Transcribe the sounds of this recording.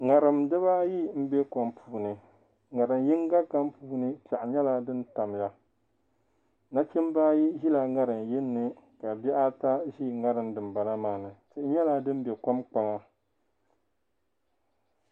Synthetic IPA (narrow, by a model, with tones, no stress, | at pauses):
ŋa˨ɾɨ˨mdɨ˦βa˦ji˦m̩˦bɛ˦ka˦mpʰuː˨nɨ˨ | ŋa˨ɾɨ˨nji˦ŋɡa˦ka˦mpuː˦nɨ˦pa˨ʔɲɛ˦la˦dɨ˦nta˨mja˦ | na˦t͡ʃi˦m˦baː˦ji˦ʒi˦la˨ŋa˦ɾɨ˨nji˦nːɨ˨ | ka˨bɛ˦ʔa˦ta˦ʒi˦˨ŋa˦ɾɨ˨mdɨ˨m˨ba˨na˦maː˦nɨ˨tɨ˦ʔɪ˦ɲɛ˦la˦dɨ˦m˦bɛ˨ka˦mk͡pa˨ŋa˦